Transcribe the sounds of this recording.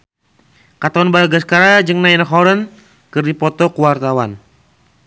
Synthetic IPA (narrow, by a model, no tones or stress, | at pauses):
kat̪aanbalɡaskaɾad͡ʒɨŋnainaɦɔɾən | kərdipɔt̪ɔkuwart̪awan